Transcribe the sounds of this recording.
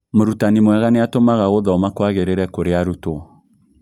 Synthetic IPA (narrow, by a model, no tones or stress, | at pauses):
moɾutanimwɛɣaneatomaɣaɣoðɔmakwaɣeɾeɾɛkoɾeaɾuto